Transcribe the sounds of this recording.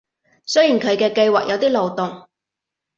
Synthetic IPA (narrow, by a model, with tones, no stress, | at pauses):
sɵ˥jiː˨˩nkʰɵ˨˧ɥkɛː˧kɐ˧jwaː˨k̚jʔɐ˨˧wt̪iː˥lo˨wt̪ʊ˨ŋ